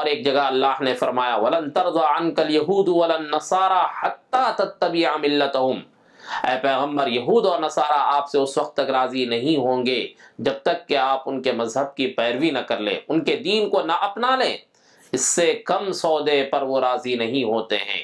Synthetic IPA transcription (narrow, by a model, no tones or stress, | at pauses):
ɔːɾeːk̚d͡ʒɐɡaɐlːaːɦnefɐɾmaːjawɐlɐ̃nt̪ɐɾd̪ɑːɐnkɐljɐɦuːd̪wɐlɐnːɐsɑːɾaħɐt̪ːaːt̪ɐt̪ːɐbɪʕmɪlːɐt̪ɐɦʊm | ɛːpɛːɣə̃mbəɾjɐɦuːd̪ɔːɾnɐsaːɾaaːpseʊswɐqt̪ːɐkɾaːzinɐɦĩɦõːŋɡeːd͡ʒɐb̚t̪ɐkːeaːpʊnkemɐzɦəb̚kipɛːɾwinɐkɐɾlḛ̃ːʊnked̪iːnkonɐʔɐpnalḛ̃ː | ɪsːekɐmsɔːd̪epɐɾʋoɾaːzinɐɦĩɦoːt̪eɦɛ̰̃ː